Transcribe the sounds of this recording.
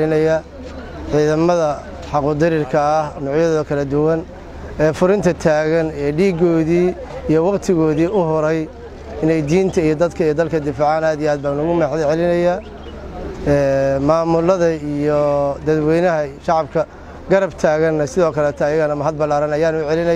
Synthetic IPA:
lɪnɐjɐ | ʕiːðɐmɐðɐ | ħɑqʊːd̪ɪɾɪrkʰɐːhnɔːʕjɐðɔːðɐkʰɐlɐd̪ʊwɐn | ɛːfʊɾɪnt̪ʰɐt̪ʰaːɣɐnɛːɖiːɡɔːðiː | ijɔwɑqt̪ʰɪɣɔːðiːʔʊɦʊɾɛj | ɪnɛjd̪iːnt̪ʰɐijɔd̪ɐd̪kʰɐijɔd̪ɐlkʰɐd̪ɪfaːʕaːnaːd̪ijaːd̪̚baːnɐɣʊmɛħlʕɛlɪnɐja | ɛːmaːmʊlɐðɐijɔd̪ɐd̪wɛjnɐɦɐʃɑʕɑb̚kʰɐ | ɡɐɾɐbt̪ʰaːɣɐnːɐsɪðɔːkʰɐlɛːt̪ʰɐːjɐɣɐnɐmɐɦɐd̪̚bɐlaːɾɐnɐjaːnʊʕɛlɪnɐ

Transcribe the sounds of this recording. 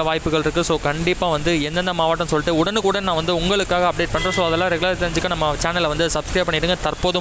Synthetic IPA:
ɐʋaːjpːɯɣɐɭɪɾɯkːɯsoːkɐɳɖɪppːaːʋɐnd̪ɯɛnd̪ɐnd̪ɐmaːʋaːʈːɐ̃nsɔlːɪʈːɯʊɽɐnɯkuːɽɐnãːʋɐnd̪ɯʊŋɡɐɭɯkːaːɣɐːp̚ɽeːʈ̚pɐɳɖɾõsoːɐðɛlːãːɾɛɡɯlɐɾt̪ːɪɾɐɲd͡ʒɯkːɐnɐmːɐt͡ʃaːnɐlʋɐnd̪ɯsɐbskɾeːpɐɳːɪʈːɽɯŋɡɐt̪ɐɾpoːðɯ

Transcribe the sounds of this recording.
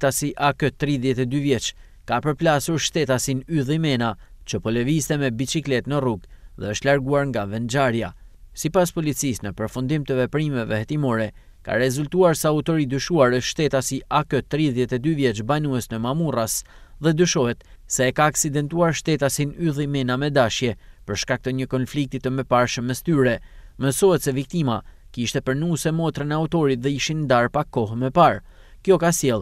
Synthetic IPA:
t̪asiʔakət̪ɾiðjɛt̪ɛd̪yvjɛt͡ʃ | kapəɾplasuɾʃt̪ɛt̪asinyðimɛnat͡ʃəpɔlɛvist̪ɛmɛbit͡ʃiklɛt̪nəruɡðɛəʃt̪laɾɡuaɾŋɡavɛnd͡ʒaɾjasipaspɔlit͡sisnəpəɾfund̪imt̪əvɛpɾimɛvɛhɛt̪imɔɾɛ | ka̰ɾɛzult̪uaɾsɛaut̪ɔɾid̪yʃuaɾəʃt̪ɛt̪asiʔakət̪ɾiðjɛt̪ɛd̪yvjɛt͡ʃbanuɛsnəmamuras | ðɛd̪yʃɔhɛt̪sɛːkaːksid̪ɛnt̪uaɾʃt̪ɛt̪asinyðimɛnamɛd̪aʃjɛpəɾʃkak̚t̪əɲəkɔnflik̚t̪it̪əmɛpaɾʃəmɛst̪yɾɛ | məsɔhɛt̪sɛvik̚t̪ima̰kiʃt̪ɛpəɾnusɛmɔt̪ɾənɛaut̪ɔɾit̪ðɛiʃind̪aɾpakːɔhmɛpaɾ | kjɔkasjɛlˠ

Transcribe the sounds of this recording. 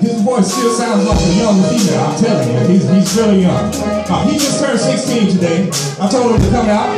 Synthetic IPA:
izvɔɪsd͡ʒ̥ʌtsãʊ̃ndzlaɪk̚ɨjʌ̃ŋfimeɪã̰ɪ̃mtʰɛlˠjɨizizɹɪlˠijʌ̃ŋ | ʌhid͡ʒʌstʰɜ̃˞nsɪkstĩntʰɨdeɪ | aɪv̥tʰoʊlˠdɨ̃tɨkʰʌ̃maʊt̚

